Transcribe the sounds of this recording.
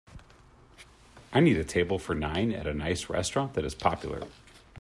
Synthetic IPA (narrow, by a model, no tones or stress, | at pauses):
ʔaɪniɾɨtʰeɪbl̩ˠfə˞nãɪ̃nɨ̰ɾɨnaɪsɹɛ̰stɹ̥ɑ̃nðɨɾɨz̥pʰɑpjl̩ˠə̰˞